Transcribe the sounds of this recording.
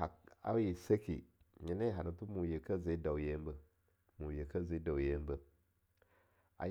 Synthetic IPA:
a˨a̰˦ji˨se˦kḭ˨ɲi˨ne˦ɦa˨na˨tu˦mu˨je˨ka˦˨ze˨˦da˨wje˦mbə˦ | mu˨je˨ka˦˨ze˨˦da˨wje˦m˦bə˦ | a̰˨

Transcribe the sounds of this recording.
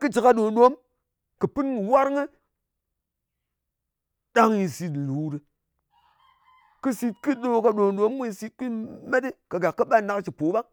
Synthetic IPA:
kɨ˦d͡ʒi˨ka˧ɗo˨ɗo˦m | kɨ˨pɨ˦ni˨wa˦ɾŋə˦ | ɗa˦ŋji˧si˧tlu˨˦ɾi˨ | kɨ˦si˧t̚ki˦ɗo˦ka˨ɗo˨ɗo˨˦mmu˦i˧si˧t̚ki˦me˦ti˦ka˨ɡa˨kːɨ˦ɓa˦na˦kt͡ʃi˨po˨˦ɓa˦ŋ

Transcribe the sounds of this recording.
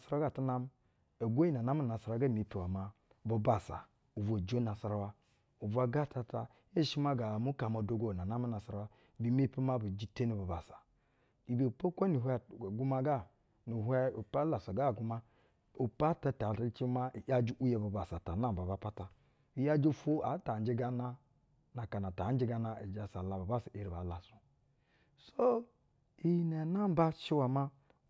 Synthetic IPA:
sa˦ɾa˦ɡa˨tu˦na˦m˦ | e˨ɡʷo˦i˦na˨na˦mu˦na˨sa˨ɾa˨˦ɡa˦˨mi˨pi˨wa˨ma˨ | bo˨ba˨sa̰˨ | u˨vo˨d͡ʒo˦na˨sa˦ɾa˦wa˦ | u˨vu˦a˦ɡa˦˨ta˨ta˨ | e˦ʃi˦ma˦ɡa˨mu˦ka˨ma˨do˦ɡo˦˨na˨na˦mu˦na˨sa˦ɾa˦wa˦˨ | bi˨me˦pi˦ma˦bu˨d͡ʒi˦te˦ni˨bo˨ba˨sa˨ | i˨bi˨po˦kʷa˦ni˨ɦʷe˦˨ɡu˦ma˦ɡa˦ | ni˨ɦʷɛ˦u˨pa˦la˨sa˨ɡa˦˨ɡu˦ma˦ | u˨pa˦ta˨ta˨ta˦t͡ʃi˦ma˦i˨ja˦d͡ʒi˦ʔu˦je˨bu˨ba˨sa˨ta˨na˦˨m˨ba˨ba˨˦˨pa˦ta˨ | i˨ja˦d͡ʒi˦fo˦a˨˦ta˨n˦d͡ʒi˦ɡa˦na˦ | na˨ka˨na˨ta˨˦d͡ʒi˦ɡa˦na˦i˨d͡ʒa˨sa˨la˨ba˨ba˦si˨ʔe˨ɾi˨ba˨˦la˨su˨ | so˦ | i˨jne˨na˦m˦ba˦ʃi˦wa˨ma˦

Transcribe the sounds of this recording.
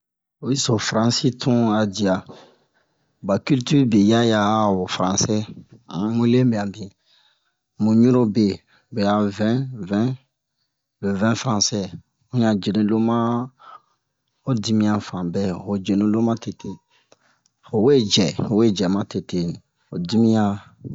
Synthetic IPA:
o˨i˦so˨fɾã˨si˦tʰũ˦a˨di˨a˨ | ba˨ky˦lty˦be˨ja˦ja˨o˨fɾã˨sɛ˦ã˨˦mũ˦lẽ˦be˨a˨bĩ˨ | mũ˨ɲũ˦ɾõ˦be˨ | be˨a˨vɛ̃˦vɛ̃˦ | lə˨vɛ̃˦fɾã˨sɛ˦ | ũ˦ɲã˨d͡ʒe˨nĩ˨lo˦mã˦ | o˦di˦mĩ˦ã˨fã˨bɛ˦o˨d͡ʒe˨nĩ˦lo˦mã˦te˨te˨ | o˨we˦d͡ʒɛ˨o˨we˦d͡ʒɛ˨mã˦te˨te˨nĩ˨ | o˨di˦mĩ˦jã˦

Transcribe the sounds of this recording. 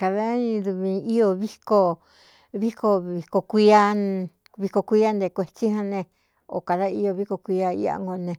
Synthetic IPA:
ka˧ða˦ĩ˧ðu˧βĩ˧i˦o˧βi˦ko˧ | βi˦ko˧βi˧ko˧kʷi˧˦a˧ | βi˧ko˧kʷi˧˦a˦nd̪e˧˨kʷe˧t͡ʃi˦hã˧nẽ˧ | o̰˨ka˨ða˦i˦o˧βi˦ko˧kʷi˧a˧ḭ˦a̰˧ŋɡo˧nẽ˧

